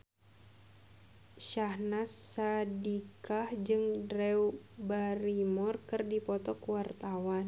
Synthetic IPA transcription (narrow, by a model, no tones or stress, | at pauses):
ʃahnasadikahd͡ʒɨŋdɾɛwbaɾimɔrkɨrdipɔt̪ɔkwart̪awan